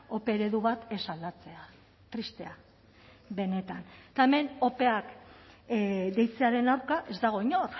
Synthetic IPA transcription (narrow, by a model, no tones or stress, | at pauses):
o̞pe̞ɾe̞ðuβat̪e̞sald̪at͡se̞a | t̪ɾist̪e̞a | βe̞ne̞t̪ant̪aeme̞no̞pe̞ak | d̪e̞jt͡se̞aɾe̞nawɾkaʔe̞zd̪aɣ̞o̞iɲor